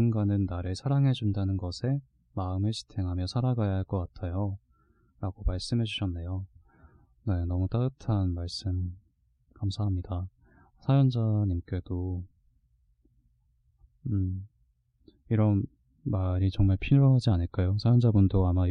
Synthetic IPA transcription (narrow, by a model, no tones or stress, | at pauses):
nɡanɯnːaɾɯɭsʰaɾaŋɦe̞d͡ʑundanɯnɡʌsʰe̞ | maɯmɯɭɕʰi̥tʰeŋɦamjʌsʰaɾaɡajaɦaɭk͈ʌk͈atʰajo | ɾaɡomaɭs͈ɯmɦe̞d͡ʑuɕʰʌnːe̞jo | ne̞nʌmut͈aɡɯtʰanmaɭs͈ɯm | kamsʰaɦamɲida | sʰajʌnd͡ʑaɲimk͈e̞do | ɯ | iɾʌn | maɾit͡ɕʌŋmaɭpʰiɾjoɦad͡ʑianɯɭk͈ajosʰajʌnd͡ʑabundoama